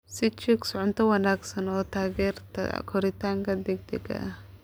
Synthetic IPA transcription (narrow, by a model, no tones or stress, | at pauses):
sɪt͡ʃɪksʕʊnt̪ʰɐwɐnaːɡsɐnɔːt̪ʰaːɡɛːrt̪ʰɐ̰kʰɔɾɪt̪ʰaːŋkʰɐd̪ɛɡ̚d̪ɛɡɐ̰ʔ